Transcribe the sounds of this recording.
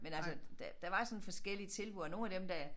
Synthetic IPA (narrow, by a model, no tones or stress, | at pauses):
menælsəd̥æd̥æʋɑ̈sɒ̽nfɒ̽sɡ̥el̰iət͡sʰe̝lb̥uɒno̝ːnæd̥emd̥æ